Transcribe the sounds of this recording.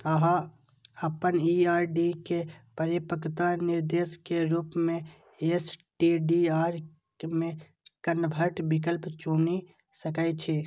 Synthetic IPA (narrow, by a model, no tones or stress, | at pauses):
təɦã | əpəniaːɾɖikepəɾipəkt̪anɪɾd̪eskeɾupmẽ | esʈiɖiaɾ | mẽ | kənbʱəʈbik̬əlpt͡ʃuni | səkaɪt͡ʃʰe